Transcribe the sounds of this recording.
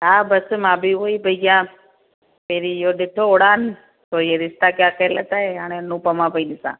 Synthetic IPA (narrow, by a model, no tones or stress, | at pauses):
ɦabəsmãbiʋoibʱəjɡjã | peɾijoɗeʈʰːooɽan | t̪ojeɾɪst̪akjãkʰələ̰t̪aeaɳ̃enũpəmãpəinisã̰